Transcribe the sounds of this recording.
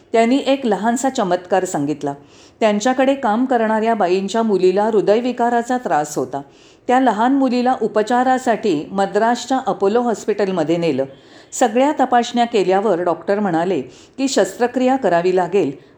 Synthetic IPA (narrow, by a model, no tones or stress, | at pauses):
t̪janːiːʔekləɦant͡sat͡ɕəmət̪kaɾsaŋɡit̪la | t̪jaɲt͡ɕjakəɽekamkəɾɳaɾjabajiɲt͡ɕjamulilaɾud̪əjʋikaɾat͡sat̪ɾasɦot̪a | t̪jaləɦanmulilaʔupət͡ɕaɾasaʈiːməd̪ɾaɕt͡ɕaʔəpoloɦɔspiʈəlməd̪ʱːjeneləː | səɡɭjat̪əpaɕɳjakeljaʋəɾɖɔkʈəɾm̤əɽ̃ale | kiːɕəst̪ɾəkɾijakəɾaʋiːlaɡel